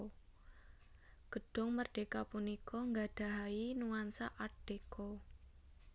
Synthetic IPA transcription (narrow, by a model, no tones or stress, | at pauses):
ɡ̥ə̤ɖ̥ʊ̤ŋmərɖ̥ekapunikʰɔŋɡaɖ̥a̤ɦainuwansaʔarɖ̥ekɔ